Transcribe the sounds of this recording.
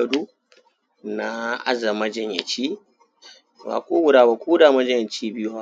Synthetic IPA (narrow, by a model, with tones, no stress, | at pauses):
a˨du˦ | na˦a̰˦za˨ma˦d͡ʒɛ˦ɲa̰˨t͡ʃi˦˨ | ba̰˨kʷo˦wu˦ɾa˨ba˨kʷu˦da˨mɐ˦d͡ʒɛ˦˨ɛ˨t͡ʃiː˦bi˦ju˦ha˦